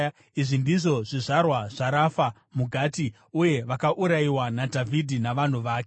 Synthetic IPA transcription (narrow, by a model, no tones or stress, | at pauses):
iʐindiʐo̞ʐiʐarwaʐ̥aɾafa | muɡʱaːti | uje̞ʋakaʔuɾaiwanadʱavʱidʱinaʋan̤uʋaːke